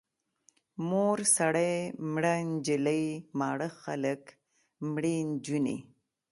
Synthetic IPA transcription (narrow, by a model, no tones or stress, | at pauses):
moɾsaɽajmɽand͡ʒɪləjmɑɽəxa̰lək | mɽend͡ʒunḛ